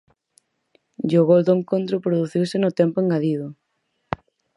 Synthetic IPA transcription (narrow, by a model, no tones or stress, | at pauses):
ʎoɣold̪ʊeŋkont̪ɾʊpɾoðuθiwsɪnʊt̪ɛmpʊeŋɡaðiðʊ